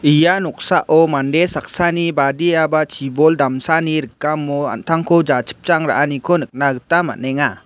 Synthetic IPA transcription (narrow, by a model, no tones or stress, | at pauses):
ijanɔk̚saʔʔɔmanɖesak̚sanibadiabat͡ʃʰibɔld̪amsaniɾəkːamːɔa̰nt̪ʰaŋkʰɔd͡ʒat͡ʃʰə̥p̚t͡ʃaŋɾa̰ʔanikʰɔnɯk̚naɡɯtama̰nɛŋa